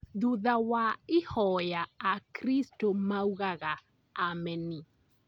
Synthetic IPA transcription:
ðuðawaɪhɔjaakɾistomauɣaɣaː | mɛni

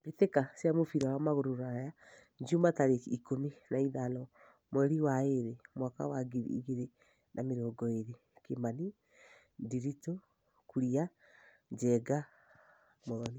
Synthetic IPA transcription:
etekasjamofiɾawamaɣoɾuɾaja | ɲd͡ʒumataɾeikominaiðanɔ | moɛɾiwaeɾemwaka̰waɡiɾiɣeɾe | nʔameɾoːɡɔeɾe | kemani | diɾito | kuɾia | d͡ʒɛɡa | moðɔni

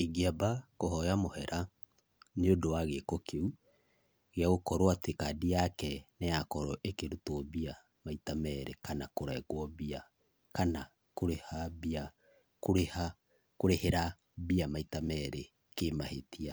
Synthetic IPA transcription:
eɡiabakoɦɔjamohɛɾʔa | neodowaɣekokʰeu | ɣeaɣokɔɾoatekadijakɛnɛjakɔɾɔʔekeɾutɔβia | maitamɛɾekanakoɾɛɣwɔβia | kana | koɾehabia | koɾeha | koɾeheɾa | βiamaitamɛɾe | kemahetia

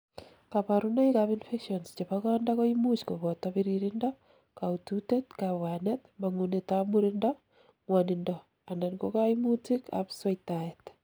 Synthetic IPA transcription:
kapaɾuneikapinfekʃɔnst͡ʃepakɔndakoimut͡ʃkoβɔtapiɾiɾindɔ | kaututetkaβwanɛtmaŋunetamuɾindɔ | ŋwanɪndɔ | andankokajmutika̰psaitajɛt

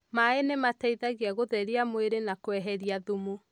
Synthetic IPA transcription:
maenemataiðaɣiaɣoðɛɾiamweɾenakwɛɦɛɾiaðumu

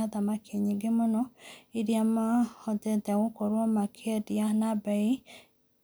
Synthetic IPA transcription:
aðamakʰeɲeɡemonɔeɾiamahɔtɛtɛaɣokoɾwɔmakʰeɛdjanabai

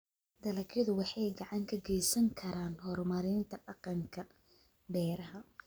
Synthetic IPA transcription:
d̪̥ɐlɐkɐðʊwɑħɑjɡɑʕɑŋkʰɐɡɛjsɐŋkʰɐɾaːnhɔrmɐɾɪnt̪ʰɐɖɑqɑŋkʰɐ | bɛːɾɐɦɐ

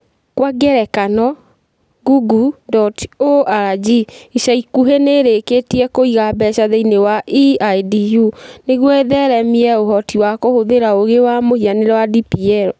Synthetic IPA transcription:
kwaɡɛɾɛkanɔ | ɡuɡudɔtoaɾad͡ʒiiʃaikuɦeneɾeketiɛkoiɣabɛʃaðeinewaʔiajdijuneɣwɔeðɛɾɛmiɛoɦɔtiwakohoðeɾaoɣewamohianeɾɛwadipiɛɾɔ

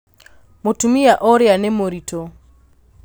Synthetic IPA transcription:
motumiaʔɔɾjanemoɾito

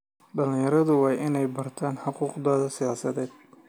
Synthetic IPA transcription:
ɖɐlɪ̃jɐɾɐðʊwɑːjʔɪnɛjbɐrt̪ʰaːnħʊquːqd̪ɔːðɐsɪjaːsɐðɛːd̪̥̚

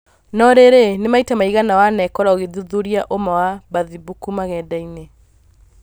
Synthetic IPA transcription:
nɔɾeɾenemaitamaiɣanawanɛkɔɾaoɣeðuðuɾiaʔomawaβaðibukumaɣɛdaine

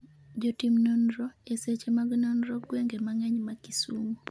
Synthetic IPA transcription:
d͡ʒotimnonɾɔeset͡ʃemaɡnɔnɾɔɡweŋɡemaŋɛɲmakisumo

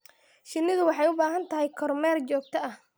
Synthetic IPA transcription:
ʃɪnːɪðʊwɑħɑjʊbaːɦɐnt̪ʰɐɦɛjkʰɔrmɛːrt͡ʃɔːɡ̚t̪ʰɐɐh

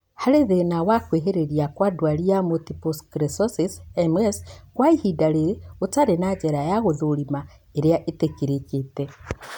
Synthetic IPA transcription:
haɾeðenawakweːɦeɾeɾijakwadwaliamotiposkɾesosisemweskwaihidaɾeɾeotaɾenad͡ʒeɾajaɣoðoɾima | eɾeaʔetekiɾekete

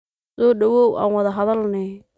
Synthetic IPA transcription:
sɔːɖɐwɔːwa̰ːnwɐðɐɦɐðɐlnɪ

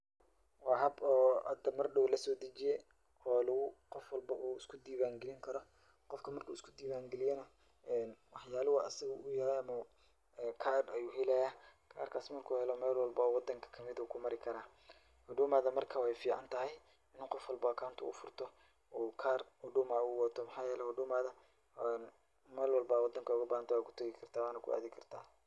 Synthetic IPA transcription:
wɑːhɐbɔːʔɐd̪ɐmɐrɖɔwlɐsɔːd̪ɐt͡ʃɪjɛ | hɔːlʊɣʊqɔfwɑlbɐʔuːɪskʰʊd̪iːβaːŋɡɛlɪŋkʰɐɾɔ | qɔfkʰɐmɐrkʰuːɪskʰʊd̪iːβaːŋɡɛlɪjɛnɐ | ʔɛːnwɑħjaːlɔwɑːʔɐsɐɣɐʔʊjɐɾɛjɐmɐ | ɛːkʰaːrɐjuːɦɛlɛjakʰa̰ːrkʰaːsmɐrkʰuːhɛlɔmɛːlwɑlbɐwɑd̪ɐŋkʰɐ̥kʰɐmɪðɐuːkʰʊmɐɾɪkʰɐɾaː | hʊɖʊːmaːðɐmɐrkʰawɛjfiːʕa̰nt̪ʰɐɦɛj | ɪnuːqɔfwɑlbɔːkʰawnt̪ʰʊ̰ʔʊ̰fʊrt̪ʰɔ | uːkʰaːrhʊɖʊːmaʊwɔt̪ʰɔmɐħaːjɛːlɛhʊɖʊːmaːðɐ | n | mɛːlwɑlbɐwɑd̪ɐŋkʰɐʊɣɐbaːhɐnt̪ʰɐwaːkʰʊ̥t̪ʰɐɣɪkʰɐrt̪ʰaːwaːnɐkʰʊ̰ʔa̰ːðɪkʰɐrt̪ʰaː

